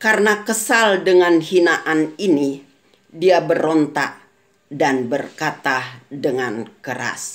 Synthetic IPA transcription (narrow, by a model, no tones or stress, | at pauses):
karənakəsaldəŋanhinaʔanini | diabərɔnt̪a̰ʔ̚ | danbərkat̪adəŋankəɾa̰s